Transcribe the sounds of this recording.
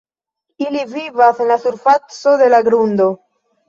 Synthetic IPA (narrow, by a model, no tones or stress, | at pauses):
ilivivasenlasuɾfat͡soðe̞laɡɾund̪o